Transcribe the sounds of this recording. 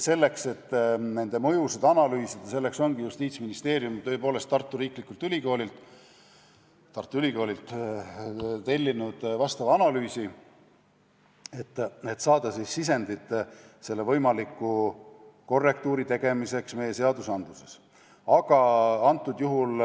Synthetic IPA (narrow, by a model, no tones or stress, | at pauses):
se̞lːe̞kse̞t̪ːne̞nd̪e̞mɤ̞jused̪ɑnɑlyːsid̪̥ɑse̞lːe̞kso̞nɡ̥ijust̪iːt̪sminist̪e̞ːɾijumt̪ø̞epo̞ːle̞st̪ːɑrt̪ːˑuɾiːklikːˑult̪ylʲiko̞ːlʲilt̪ˑ | t̪ɑrt̪ːˑuylʲiko̞ːlʲilt̪ | t̪e̞lʲːinud̪̥vɑst̪ɑvɑɑnɑlyːsi | et̪ːet̪ːsɑːd̪̥ɑsisːis̬e̞nd̪it̪ːse̞lːevɤjmɑlikːˑu | ko̞rːe̞k̚t̪uːɾit̪e̞ɡe̞mise̞ksme̞jːe̞se̞ɑd̪usɑnd̪̥luse̞s | ɑɡ̥ɑɑnt̪ːˑud̪juɦul